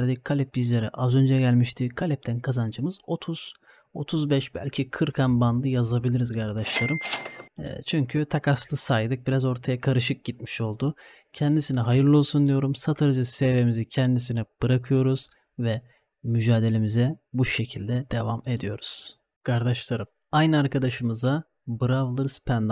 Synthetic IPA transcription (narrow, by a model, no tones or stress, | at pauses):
ɾd̪ikʰːalʲɛp̚bizlʲe̞ɾɛʔazø̞nd͡ʒɛɟælʲmiʃt̪ʰikʰalʲɛp̚t̪ʰænkʰazand͡ʒɯmɯz̥o̞t̪ʰuz̥ | o̞t̪ʰuzbɛʃbæ̰lʲcʰikʰɯɾkʰanband̪ˠɯjazabilʲiɾizkʰaɾd̪aʃlˠaɾɯm̰ | t͡ʃʰyɲcʰyt̪ʰakʰaslˠɯsaːjɯd̪ɯk̚biɾazo̞ɾt̪ʰajakʰaɾɯʃ̬ɯk̚ɟit̪̚mi̥ʃo̞lˠd̪ʊ | cʰɛnd̪isinɛɦajɯɾlˠolˠsund̪ijo̞ɾumsat̪ʰaɾzɯsevemizicʰɛnd̪is̬inɛb̥ɯɾakʰɯjo̞ɾuz̥ | vɛ | myd͡ʒaːd̪e̞lʲe̞mizɛbuʃe̞cʰilʲd̪ɛd̪̥e̞vame̞d̪ijo̞ɾuz̥ | kʰaɾd̪aʃlˠaɾɯm | ajnɯaɾkʰad̪aʃɯmɯza | bɯɾavlˠɯɾɯz̥pʰɛnd̪